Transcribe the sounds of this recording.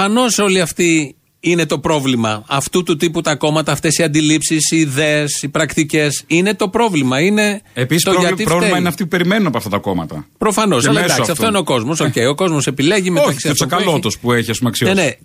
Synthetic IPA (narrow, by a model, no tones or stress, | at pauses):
ɐno̞so̞liɐft̪i | ine̞t̪o̞pɾo̞vlimɐɐft̪ut̪ut̪iput̪ɐko̞mɐt̪ɐːft̪e̞siɐnd̪ilipsisiːðeːsipɾɐkt̪ice̞sine̞t̪o̞pɾo̞vlimɐine̞eit̪oʝɐiɾvlmɐineɐft̪ipupe̞ɾimenunɐpoɐft̪ɐt̪ɐko̞mɐ̰t̪ɐ̰pɾo̞fɐno̞sɐlɐeed̪ɐksiɐft̪oineo̞ko̞zmo̞soceio̞ko̞zmo̞sepile̞ʝimeoɐksiɐosɐkɐlot̪ospueçiɐspumeɐksione